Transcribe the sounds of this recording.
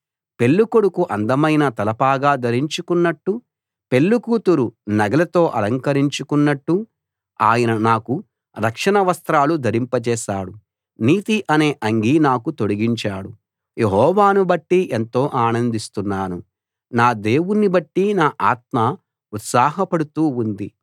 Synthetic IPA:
pe̞lːukoɽukuʔɐnd̪ɐmɐjnɐt̪ɐlɐpaːɡaːd̪ɐɾiɲt͡ʃukunːɐʈːu | pe̞lːukuːt̪uɾunɐɡɐlɐt̪o̞ːʔɐlɐŋkɐɾiɲt͡ʃukunːɐʈːu | aːjɐnɐnaːku | ɾɐkʂɐnɐʋɐst̪ɾaːlud̪ʱɐɾimpɐt͡ʃɛːʃaːɽu | niːt̪iʔɐne̞ːʔɐŋɡinaːkut̪o̞ɽiɡiɲt͡ʃaːɽu | jeɦɔːʋaːnubɐʈːiʔent̪o̞ːʔaːnɐnd̪ist̪unːaːnu | naːd̪e̞ːwunːibɐʈːinaːʔaːt̪̚mɐ | ut̪saːɦɐpɐɽut̪uːund̪i

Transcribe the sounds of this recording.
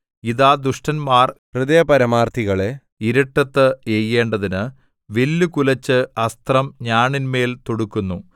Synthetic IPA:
iðaːd̪uʂʈɐnmaːrprɨðeːpɐɾɐmaːrt̪ʰiɣɐɭe | iɾɐʈːɐt̪ːɨejːe̞ːɳɖɐðinɨ | ʋe̞lːukulɐt͡ɕːɨɐst̪rɐmɲaːɳinme̞ːlt̪oɽukːunːu

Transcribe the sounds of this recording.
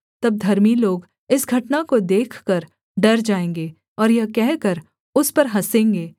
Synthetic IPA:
t̪ɐb̚d̪ʱɐɾmiloːɡ | ɪsɡʱɐʈnakod̪eːkʰkɐɾ | ɖɐɾd͡ʒaːẽːŋɡeː | ɔːɾjɐkɛɦkɐɾ | ʊspɐɾɦɐsẽːŋɡeː

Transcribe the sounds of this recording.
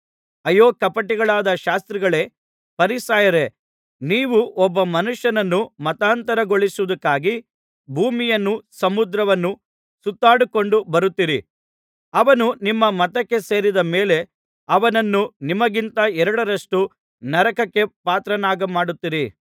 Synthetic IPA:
ɐjːoːkɐpɐʈːiɡɐɭaːd̪ɐʃaːst̪ɾiɡɐɭe̞ː | pɐɾisaːjɐɾe̞ | niːʋuʔɔbːɐmɐnuʂjɐnɐnːumɐt̪aːnt̪ɐɾɐɡoɭisuʋud̪ɐkːaːɡi | bʱuːmijɐnːusɐmud̪ɾɐʋɐnːu | sut̪ːaːɽuko̞ɳɖubɐɾut̪ːiɾi | ɐʋɐnunimːɐmɐt̪ɐkːe̞se̞ːɾid̪ɐmeːle̞ | ɐʋɐnɐnːunimɐɡint̪ɐɛɾɐɽɐɾɐʂʈu | nɐɾɐkɐkːe̞paːt̪ɾɐnaːɡɐmaːɽut̪ːiɾi

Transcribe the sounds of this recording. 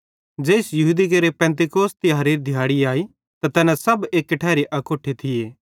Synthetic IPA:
d͡ʒeːɪsjɐɦuːd̪ik̬ɐɾepɛ̃ːnt̪̬ɪkoːst̪ɪjaːɾiɾd̪ʱjaːɽiaːi | t̪at̪ɛːnãsɐbeːkːʈʰɛːɾiʔɐkoːʈʰet̪ʰɪjeː

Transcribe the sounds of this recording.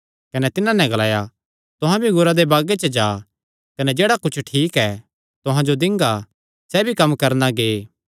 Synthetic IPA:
kɐnɛt̪ɪnãnɛ̃ɡɐlaːja | t̪ʊɦãbʱiɡʊɾad̪ebaːɡet͡ʃəd͡ʒaː | kɐnɛd͡ʒeːɽakʊt͡ʃʰʈʰiːkɛ | t̪ʊɦãd͡ʒod̪ɪ̃ŋɡa | sɛbʱikɐmːkɐɾnaɡeː

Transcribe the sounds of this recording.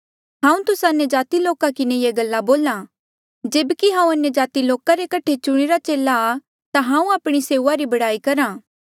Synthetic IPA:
ɦãːũt̪ʊsaɐnjəd͡ʒaːt̪iloːkakɪnejeɡɐlːaboːlã | d͡ʒeːbkiɦãːũɐnjəd͡ʒaːt̪iloːkaɾekɐʈʰet͡ʃʊɽ̃eɾat͡ʃeːlaː | t̪aɦãːũaːpɽ̃iseːuːaɾibɐɽaːikɐɾãː

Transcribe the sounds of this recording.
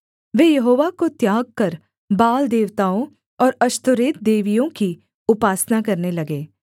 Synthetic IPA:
ʋeːjɐɦoːʋakot̪jaːɡ̚kɐɾ | baːld̪eːʋt̪aːõ | ɔːɾɐʃt̪ʊɾeːt̪̚d̪eːʋijõki | ʊpaːsnakɐɾnelɐɡeː

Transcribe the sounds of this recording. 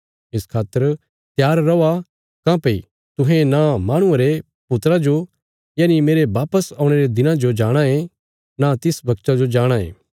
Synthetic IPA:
ɪskʰaːt̪ːəɾ | t̪jaːɾːɐa | kãpɐi | t̪ʊ̃ɦẽnamaːɽ̃ʊ̃ãɾe | pʊt̪ɾad͡ʒo | jaːnimeːɾeʋaːpəsaːʊɽ̃eɾed̪ɪnãd͡ʒod͡ʒaːɽ̃aẽ | nat̪ɪsbʱɐkt͡ʃad͡ʒod͡ʒaːɽ̃aḛ̃ː

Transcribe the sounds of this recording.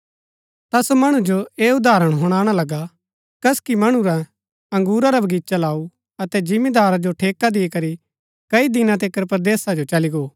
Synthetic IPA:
t̪asomɐɽ̃ũd͡ʒoeːʊd̪aːɾəɽ̃ɦʊɽ̃aːɽ̃alɐɡa | kɐskimɐɽ̃uɾa | ɐ̃ŋɡuːɾaɾɐbʱɐɡiːtːt͡ʃalaːu | ɐt̪ɛd͡ʒɪmed̪aːɾad͡ʒoʈʰeːkad̪iikɐɾi | kɐid̪ɪnãt̪̬eːkəɾpɾd̪eːsad͡ʒot͡ʃɐliɡoː

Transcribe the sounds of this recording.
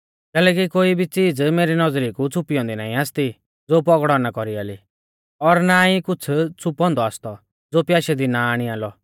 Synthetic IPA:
kɛːlɛk̬ikoːibʱit͡siːd͡zmeːɾinɔd͡zɾikut͡sʰʊpijɔ̃nd̪inaːĩaːst̪i | d͡zoːpɔɡɽɔnakɔɾiaːli | ɔɾnaːĩkʊt͡sʰt͡sʰʊpɔ̃nd̪ɔaːst̪ɔ | d͡zoːpjaːʃɛd̪inaːɽ̃ĩaːlɔ

